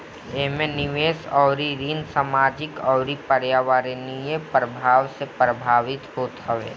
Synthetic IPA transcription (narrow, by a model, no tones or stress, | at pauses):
eɦmẽnɪʋeːsɔːɾiɾiːnsaːmaːd͡ʒɪkɔːɾipəɾjaːʋaɾinijepɾəbʱaːʋsepɾəbʱaːʋɪt̪ɦoːt̪ɦəʋḛː